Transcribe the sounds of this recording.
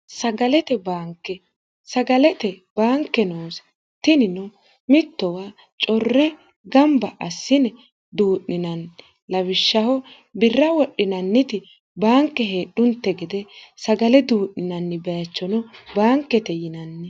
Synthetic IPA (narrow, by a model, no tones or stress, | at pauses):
sɐɡɐlɛt̪ɛbaːŋkːɛ | sɐɡɐlɛt̪ɛb̥aːŋkːɛnoːs | t̪ɪnɪnɔ | mɪt̪ːɔwaː | t͡ʃʼɔrːɛ | ɡɐmbɐʔɐsːɪnɛ | d̪uːʔnɪnɐn | lɐwɪʃːɐhɔ | bɪrːɐwɔɗːɪnɐnːɪt̪ɪ | baːŋkːɛɦe̞ːɗːʊnt̪ːɛɡɪd̪ɛsɐɡɐlɛd̪uːʔnɪnɐnːɪbɛjɐt͡ʃːɔnɔbaːŋkːɛt̪ɛjɪnɐnːɪ